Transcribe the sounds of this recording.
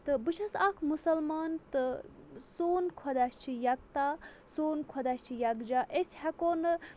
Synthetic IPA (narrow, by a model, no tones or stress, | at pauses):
t̪ɨbɨʃʰɐsakʰmusɐlmaːnt̪ɨ | soːnkʰɔd̪ast͡ʃʰijɐk̚t̪aː | soːnkʰɔd̪asʲt͡ʃʰijɐɡd͡ʒaʔesʲhɐkoːn